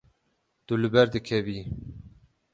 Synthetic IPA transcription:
d̪̥ulɨbɛɾd̪ɨkʰɛviː

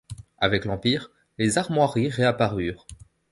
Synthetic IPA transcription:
avɛklɑ̃piːʁ | lezaʁmwaʁiʁeapaʁyːʁ

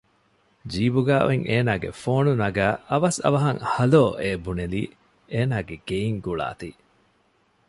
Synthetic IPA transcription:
d͡ʒiːbuɡaːʋʔeŋʔeːnaːɡḛfoːnunɐɡæːʔɐʋɐsɐ̰ʋɐɦɐŋhɐloːʔeːbunelḭː | eːnaːɡeɡ̥eiŋɡuɭa̰ːt̪i

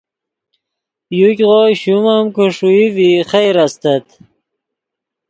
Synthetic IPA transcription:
jukʲʁoːjɕumamkuʂuiviχajɾast̪ət̪

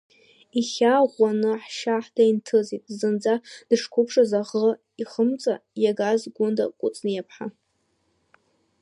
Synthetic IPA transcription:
iχʲaʁʷanɨħʃaħd̥ajntʰɨzitʼzɨnd͡zad̥ɨʂkʷʰʊpʰʂazaʁə | iχəmt͡sʼa̰jaɡazɡʷʊnda̰kʷʼʊt͡sʼnɨjapʰħa

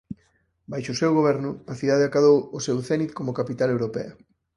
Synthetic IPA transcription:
bajʃosewɣoβ̞ɛɾnʊaθiðað̞eakaðowosewθɛnit̪komokapit̪alewɾopḛɐ

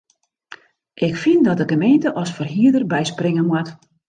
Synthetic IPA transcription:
ʔɪkfindɔt̚dəɡəmejntəʔɔsfɔrɦiədərbɛjsprɪŋənmwɔt

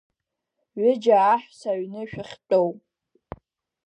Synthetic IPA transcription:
ɥɪd͡ʒaːħʷᶣsaɥnɨʃᶣɪχʲtʼowpʼ

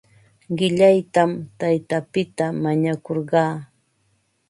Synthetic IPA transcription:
ɢɪʎajt̪amt̪ajt̪apɪt̪amaɲakoɾɢɑː

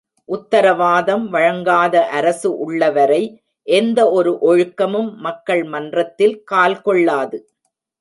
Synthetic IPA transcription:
ʔʊt̪ːɐɾɐʋaːðɐmʋɐɻɐŋɡaːðɐʔɐɾɐsɯʔʊɭːɐʋɐɾɐɪ | ʔɛnd̪ɐɔɾɯʔɔɻɯkːɐmɯmːɐkːɐɭmɐndrɐt̪ːɪlkaːlkɔɭːaːðɯ

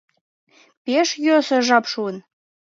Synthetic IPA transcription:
pʲeʃjøsə̆ʒɑpʃuən

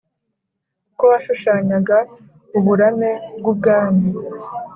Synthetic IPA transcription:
koβaʃuʃaːɲaɡa | uβuɾamebɡub̚ɡaːni

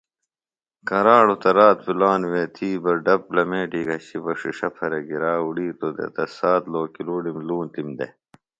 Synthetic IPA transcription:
kɐɾaːɽut̪ɐɾaːt̪̚filaːnweːt̪ʰiːbɐɾɖɐplɐmeːʈiːɡɐɕibɐʂiʂɐpʰɐɾeɡiɾaːuɽiːt̪od̪ḛt̪ɐsaːt̪loːkiluːɽimluːnt̪imd̪ḛ

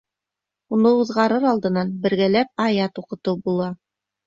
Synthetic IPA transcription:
unɤuðʁɑɾɤɾɑlˠd̪ɤ̆nɑnbɘ̆ɾɡælæp̚ɑjɑt̪uqɤ̆t̪ɤbulˠɑ

